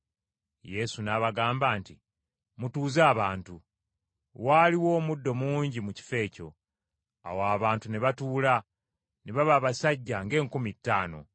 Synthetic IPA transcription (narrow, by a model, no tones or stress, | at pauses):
je̞sunaβaɡaːmbaːntḭ | mutuːzaːβaːntu | waːliwo̞ːmudːo̞muːɲɟimuci̥fe̞ːco̞̰ | a̰waːβaːntuneβatuːla | neβaβaːβasaɟːaŋɡe̞ːŋkumitːaːno̞̰